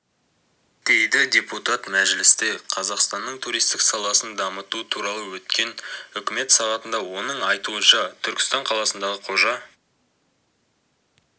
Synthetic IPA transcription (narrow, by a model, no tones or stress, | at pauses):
d̪̥e̞jd̪ɪdʲe̞put̪ɑt̪mæʒlɪst̪eqʰɑzɑqst̪ɑnːəɴt̪ʰuɾijst̪ɪksɑlˠɑsənd̪ɑmət̪ut̪ʰuɾɑlˠəwɵt̪kʲe̞nʏkʲɪme̞t̪sɑʁɑt̪ənd̪ɑwo̞nəɴɑjt̪uənʃɑt̪ʰʏɾkʲɪ̥st̪ɑɴqʰɑlˠɑsənd̪ɑʁəqʰo̞ʒɑ